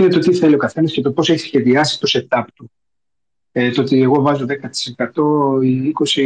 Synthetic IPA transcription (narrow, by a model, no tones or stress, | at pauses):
inet̪ot̪iθelio̞kɐθe̞nɐscet̪o̞po̞seçi̥sçe̞ðiɐsi̥st̪o̞se̞t̪ɐp̚t̪u | et̪oot̪ie̞ɣo̞vɐzo̞ðekɐt̪i̥se̞kɐt̪o̞iiko̞si